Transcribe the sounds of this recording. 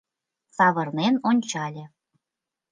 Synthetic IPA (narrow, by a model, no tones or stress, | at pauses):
t͡sɑβɤ̆rnenonʲt͡ɕɑlʲĕ